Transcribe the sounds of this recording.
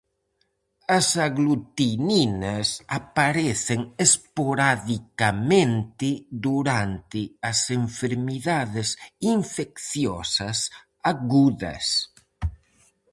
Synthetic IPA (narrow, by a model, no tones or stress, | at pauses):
asaɣlut̪ininasapaɾeθeŋespoɾaðikamẽnt̪ɪd̪uɾant̪ɪaseɱfeɾmiðaðesiɱfekθjɔsɐs | aɣuðɐ̰s